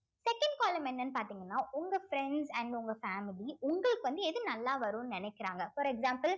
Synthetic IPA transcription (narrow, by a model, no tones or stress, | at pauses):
sɛkːɐɳɖ̚kaːlɐmɛnːɐnːɯpaːɾt̪iːŋɡɐnːaːʔʊŋɡɐfɾɛɳɖsɐnʊŋɡɐfaːmɪliʊŋɡɐɭɯkːɯʋɐnd̪ɯɛðɯnɐlːaːʋɐɾũːnɯnɪnɛkːɪɾaːŋɡɐfɔɾɛɡsaːmpɐl